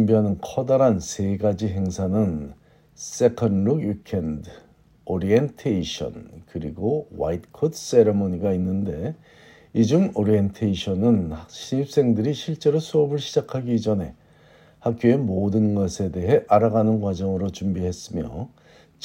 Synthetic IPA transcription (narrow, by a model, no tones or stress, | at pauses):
mbiɦanɯnkʰʌdaɾansʰe̞ɡad͡ʑiɦe̞ŋsʰanɯn | s͈e̞kʰʌnɾuɡwikʰend | oɾientʰeiɕʰʌ̰nkɯɾiɡowa̰it̚kʰods͈e̞ɾemoɲiɡainːɯnde̞ | id͡ʑumoɾientʰeiɕʰʌnɯnhɕʰiɲip̚s͈e̞ŋdɯɾiɕʰiɭt͡ɕ͈e̞ɾosʰuʌbɯɭɕʰid͡ʑakʰaɡid͡ʑʌnɦe̞ | hak̚k͈joe̞modɯnɡʌsʰe̞de̞ɦe̞ʔaɾaɡanɯnɡwad͡ʑʌŋɯɾot͡ɕumbiɦe̞s͈ɯmjʌ̰ | t͡ɕ